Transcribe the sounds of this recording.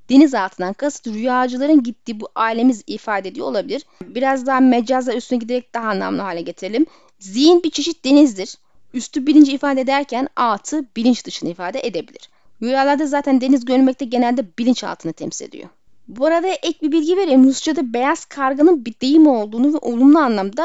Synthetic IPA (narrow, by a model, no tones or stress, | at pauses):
d̪̥e̞nizalˠt̪ɯnd̪ankʰasɯ̥t̪ɾyjaːd͡ʒɯlˠaɾɯnɟit̪ːiːbuʔaːilʲe̞mizifaːd̪ɛd̪ijolˠabilʲiɾbiɾazd̪aɦamed͡ʒazayst̪ʰynɛɟid̪eɾɛc̚d̪aɦaːnlˠa̰mlˠaɦaːlʲɛɟe̞t̪ʰiɾelʲim | zijinbit͡ʃʰe̞ʃit̪̚d̪e̞nizd̪iɾ̥ | yst̪ʰybilʲint͡ʃifaːd̪ɛed̪æɾcʰænalˠt̪ʰɯbilʲint͡ʃd̪ɯʃɯnɯifaːd̪ɛʔed̪e̞bilʲḭɾ̥ | jujaːlˠaɾd̪azaːt̪ʰænd̪e̞nizɟøɾmɛc̚t̪ʰɛɟe̞nælʲd̪ɛbilʲint͡ʃa̰lˠt̪ʰɯnɯt̪ʰɛ̰msi̥lḛd̪ḭjo̞̰ | buaɾad̪aʔɛc̚bibilʲɟive̞ɾeimhust͡ʃʰad̪abe̞jaz̥kʰaɾɡanɯnbid̪̥e̞jimo̞lˠd̪uːnuvɛʔo̞lˠumlˠuanlˠamd̪a